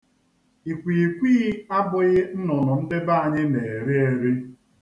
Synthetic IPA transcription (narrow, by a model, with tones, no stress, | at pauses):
i˨kʷi˨kʷi˦a˦bʊ˨ɣɪ˦n̩˦nɔ˨nʊ˨n̩˦de˦ba˦a˨ɲɪ˦ne˨e˨ɾi˦e˨ɾi˦